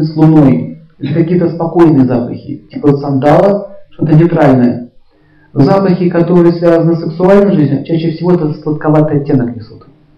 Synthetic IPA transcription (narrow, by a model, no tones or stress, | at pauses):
slˠʊno̞jʲ | ɪkɐkʲijət̪əspɐko̞jnɨjəzapə̰xʲɪ̰tʲipəsɐnd̪alˠəʂt̪o̞t̪̬ənʲɪt̪ɾalʲnəjə̰ | zapəxʲɪkɐt̪o̞ɾɨjəsvʲazənɨsɨksʊalʲnəjʐɨzʲnʲʊt͡ɕæɕːɪfsʲɪvo̞ɛt̪əsp̪lˠət̪̚kɐvat̪ʲɐtʲːe̞nəknʲɪsut̪